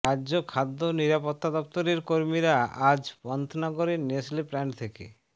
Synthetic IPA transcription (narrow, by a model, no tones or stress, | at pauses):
aːʑokʰad̪ːoniɾapot̪ːad̪ɔp̚t̪oɾeɾkoɾmiɾaad͡ʑpɔnt̪ʰnɔɡoɾeneslipɾɛɳʈt̪ʰekḛ